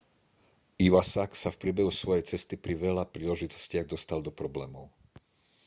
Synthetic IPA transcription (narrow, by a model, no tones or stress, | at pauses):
iʋasaksafpɾɪɛbɛɦusʋɔjɛjt͡sɛst̪ipɾiʋɛʎapɾiːlɛʒit̪ɔ̥scɪaɣd̪ɔst̪ald̪ɔpɾɔblɛːmɔʊ